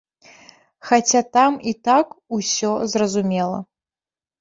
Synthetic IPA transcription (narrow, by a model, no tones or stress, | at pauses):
xat͡sʲat̪amit̪akusʲɔzrɐzumʲɛlˠɐ̰